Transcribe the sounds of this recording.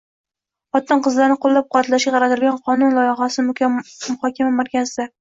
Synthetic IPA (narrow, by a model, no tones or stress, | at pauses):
χɒt̪ːɑɴqɨzlaɾnɪqolˠːap̚qʰɑat̪laʃɡʲaʁɑɾat̪ɪɾɪlɡʲanqʰɒnʊnlˠɒjɑʁɑsɪmʊkʲamʊχɒkʲamamaɾkʲazɪd̪a